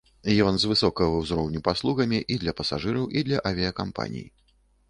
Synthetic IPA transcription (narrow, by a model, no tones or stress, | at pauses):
jɔnzvɨsɔkɐɣvɐwzɾɔwnʲupaslˠuɣɐmʲiʔid̪lʲɐpɐsaʐɨɾɐwʔid̪lʲɐʔɐvʲiɐkampa̰nʲḭjḭ